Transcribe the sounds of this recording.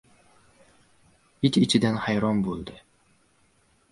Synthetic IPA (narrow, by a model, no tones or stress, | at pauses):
it̪ʲit͡ʃid̪ɛnhɑjɾombulˠd̪ɤ